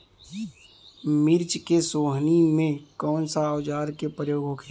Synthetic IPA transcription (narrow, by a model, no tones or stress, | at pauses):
mɪɾt͡ʃkesoːɦnimẽkɔːnsaɔːd͡ʒaːɾkepɾəjoːɡɦokʰ